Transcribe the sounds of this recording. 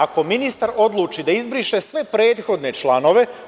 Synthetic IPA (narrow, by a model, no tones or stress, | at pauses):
ako̞minist̪aɾo̞d̪lˠuːt͡ʃid̪aizbɾiʃe̞sʋe̞pɾe̞ːd̪xo̞d̪ne̞t͡ʃlˠano̞ʋe̞